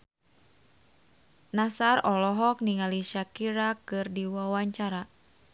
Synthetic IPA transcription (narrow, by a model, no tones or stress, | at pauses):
nasarɔlɔɦɔk̚niŋaliʃakiɾakɨrdiwawaɲt͡ʃaɾa